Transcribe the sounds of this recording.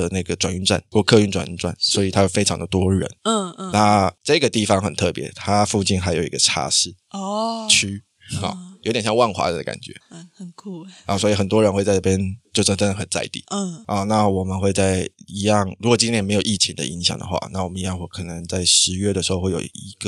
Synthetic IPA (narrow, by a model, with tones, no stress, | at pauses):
ə˩na˥˩ɡə˩ʈ͡ʂwa˨˩ny˥˧nt͡swa̰˥˧˨nkwɔ˥˧kʰɤ˥˧y˥˩nʈ͡ʂwa̰˨˩ny˥˧nt͡swa̰˥˩nswɔ˧˥i˨˩t̪ʰa˥jo˨˩fe˥ɪɑ˧˥ŋd̪ə˨t̪wɔ˥ɻə̰˧˦n˥˧na˥˩t͡sa˥˩i˧ɡə˩t̪i˥˨˩fɑ˦ŋxə˨˩nt̪ʰɤ˥˩pjɛ̰˧˦t̪ʰa˦fu˥˧t͡ɕi˥˩nxa˧˥ɪjo˨ʊḭ˧˥ɡ̥ə˧ʈ͡ʂʰa̰˥ɕi˥˩ | t͡ɕʰy˥ | ɔ̰˨˩jo˧ʊt̪jɕjɑ˥˧ŋwa˥˩nxwa̰˧˥ə˨˩d̪ə˨ka̰˨˩nt͡ɕɥɛ̰˧˦˨kʰu˥˩swɔ˧˥i˨˩xə˨˩nt̪wɔ˦ɻə˧˥nxe˥˧ɪt͡sa˥˧ɪʈ͡ʂə˥˩pjɛ˥nt͡ɕjo˥˧ʊʈ͡ʂʈ͡ʂə˥nd̪ə˨xə˨˩nt͡sa̰˥˧ɪt̪ḭ˥˨˩ʔɔ˨˩na˥˩wɔ˨˩mə˨nxwe˥˧ɪt͡sa˥˩ɪi˧˥jɑ˥˨ŋɻu˧˥kwɔ˨˩t͡ɕi˥njɛ˥˩nme˧˥ɪjo˨˩ʊʔi˥˩t͡ɕʰi˧˦ŋd̪ə̰˧i˧˥ŋɕjɑ̰˨ŋd̪ə̰˦xwa̰˧˩na˥˩wɔ˨˩mə˦ni˧˥jɑ˥˧ŋwɔ˥˩kʰɤ˨˩nə˧˦ŋt͡sa˥˩ɪʂɻ̩˧˥ɥɛ˥˩də˩ʂɻ̩˧˥xo˥˧xwe˥˩jo̰˨˩i˧˥ɡ̥ə˨